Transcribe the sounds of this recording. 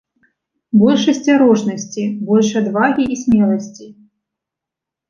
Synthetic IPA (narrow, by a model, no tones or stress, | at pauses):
bɔlʲʂɐsʲt͡sʲaɾɔʐnɐsʲt͡sʲibɔlʲʂɐd̪vaɣʲiʔːsʲmʲɛlˠɐsʲt͡sʲi